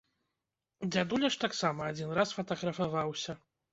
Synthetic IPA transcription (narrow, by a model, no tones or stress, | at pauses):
d͡zʲad̪ulʲɐʂt̪aksamɐad͡zʲinrasfɐt̪ɐɣɾɐfavawsʲɐ